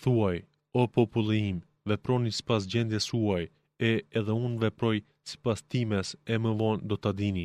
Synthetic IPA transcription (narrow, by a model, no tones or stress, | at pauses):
θuaj | ɔpɔpulˠim | vɛpɾɔnisi̥pas̬d͡ʑɛnd̪jɛsuaj | ɛɛðɛunvɛpɾɔj | si̥past̪imɛsɛməvɔnd̪ɔt̪ad̪ini